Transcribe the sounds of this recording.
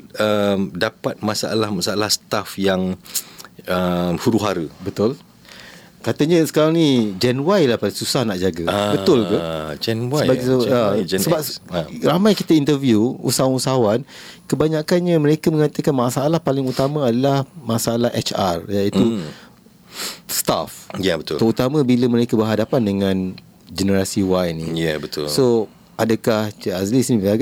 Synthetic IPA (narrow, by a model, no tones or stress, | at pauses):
əmdapat̪̚mãsa̰a̰lahmasaalahsə̥t̪afjaŋ | əmhuɾuɦaɾəbət̪ʊl | kat̪əɲə̃sə̥kaɾaŋnĩd͡ʒɛnwajlahpalsusahnaʔd͡ʒaɡəbət̪ʊlkad͡ʒnwəbaisəasəbap̚ramãjkit̪aint̪ərvjuṵsawanusaɦawankəbaɲãkanɲaməɾekamə̃ŋat̪əkanmãsaːlahpalɪŋut̪amə̃adalahmãsaalahʔɛt͡ʃa̰rjait̪u | st̪a̰fjabət̪t̪əut̪amə̃biləməɾekabəɦadapandəŋãn | d͡ʒənəɾasiwajnḭ̃jɛbət̪ʊlso | adəkahəazlisnid͡ʒaɡa